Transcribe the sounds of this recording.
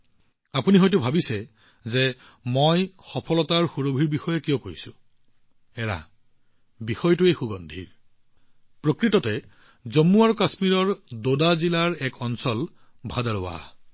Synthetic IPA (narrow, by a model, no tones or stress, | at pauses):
apuniɦɔjt̬ʊbʱabisɛ | zɛ | mojxɔpʰɔlɔtaɹxuɹobʱiɹbixɔjɛkijɔ̃koɹjisʊ̃ | ɛɹa̰ | bixɔjtuejxuɡɔndʱḭɹ | pɹokɹitɔtɛ | zɔmːuaɹkasmiɹɔɹdodazilaɹɛkɔnsɔl | bʱadaɹowa̰